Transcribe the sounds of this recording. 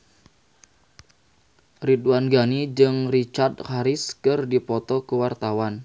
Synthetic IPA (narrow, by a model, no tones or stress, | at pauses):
ridwanɡanid͡ʒɨŋrit͡ʃard̪̚haɾɪskɨrdipɔt̪ɔkəwart̪awan